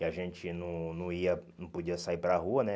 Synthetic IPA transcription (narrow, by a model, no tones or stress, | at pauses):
ɪaʒẽt͡ʃɪnɐ̃w̃nɐ̃w̃iɐnɐ̃w̃pod͡ʒiɐsaipɾɐɦuɐnɛ